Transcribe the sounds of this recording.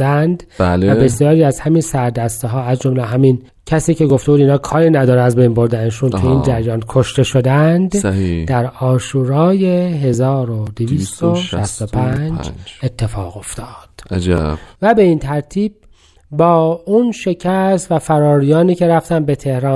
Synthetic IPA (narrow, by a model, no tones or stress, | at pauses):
ænd̪ælvæbe̞sjɒːɾiːæzhæminsæɾd̪æst̪eɦɒːæzd͡ʒomleɦæmin | cʰæsiːce̞ɡo̞ft̪e̞buːd̪iːnɑːkʰɒːɾiːnæd̪ɒːɾeæzbe̞jnbo̞ɾd̪æneʃunkʰeiːnd͡ʒæɾjɒːnkʰo̞ʃt̪e̞ʃo̞d̪ænd̪d̪æɾɒːʃuːɾɒːjeɦe̞zɒːɾod̪eviːst̪oʃʃæst̪opʰænd͡ʒet̪ʰːe̞fɒ̰ːɣo̞ft̪ʰɒːd̪̥d͡ʒvæbe̞int̪ʰæɾt̪ʰiːb̚ | bɒːunʃe̞cʰæst̪væfæɾɒːɾijɒːniːcʰe̞ɾæft̪ænbe̞t̪ʰe̞hɾɒː